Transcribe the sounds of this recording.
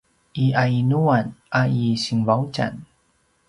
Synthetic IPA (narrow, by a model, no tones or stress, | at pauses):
ʔiʔainuanʔaisiŋvawt͡ʃa̰n